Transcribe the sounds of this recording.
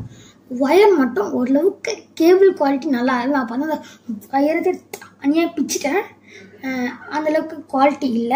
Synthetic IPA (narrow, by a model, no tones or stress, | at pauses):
ʋɐjɐɾmɐʈːʊ̃ɔɾɯlɐʋɯkːɯkeːʋɪlkʋaːlɪʈːinɐlːaːɾɯnãːpːaːnaːnd̪ɐɐjɐɾɐt̪ːeɐnɪjaːpɪt͡ʃːɪʈːɐ | ɐnd̪ɐlɐʋɯkːɯkʊʋaːlɪʈːiɪlːɐ